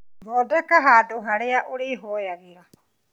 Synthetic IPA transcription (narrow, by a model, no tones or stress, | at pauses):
ɾɔdɛkaɦaduɦaɾeaʔuɾiɦɔjaɣiɾa